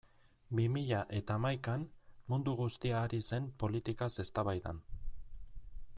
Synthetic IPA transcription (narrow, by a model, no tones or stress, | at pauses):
bimiʎaʔe̞t̪aːmajkanmund̪uɣ̞ust̪iaːɾise̞mpo̞lit̪ikase̞st̪aβajða̰n